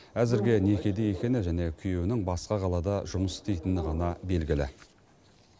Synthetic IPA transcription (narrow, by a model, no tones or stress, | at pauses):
æzɪɾɡʲene̞kʲe̞d̪ejekʲe̞nɪʒæne̞kʲʰʏje̞wɪnɪŋbɑsqɑʁʰɑlˠɑd̪ɑʒʊməsɪ̥st̪e̞jt̪ɪnɪʁɑnɑbe̞lɡʲɪlɪ̰